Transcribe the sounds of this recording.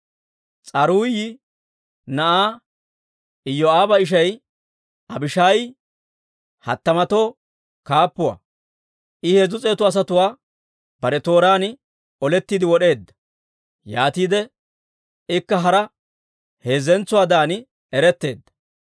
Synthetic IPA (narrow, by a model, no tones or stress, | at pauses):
t͡sʼɐɾuːjɪ | nɐʔaː | ɪjːɔaːbɐɪʃ̬ɐj | ʔɐbɪʃaːj | hɐ̰t̪ːɐmɐt̪o̞ː | kaːpːʊwa̰ː | ʔɪhe̞ːzʊt͡sʼe̞ːt̪ːʊɐs̬ɐt̪ʊwaː | bɐɾɛt̪o̞ːɾaːnɪ | ɔlɛt̪ːiːd̪ɪwɔɗe̞ːd̪ːɐ̥ | jaːt̪iːd̪ɛ | ɪkːɐɦɐɾɐ | he̞ːzɛnt͡sːʊwaːd̪aːn | ɛɾɛt̪ːe̞ːd̪ːɐ̥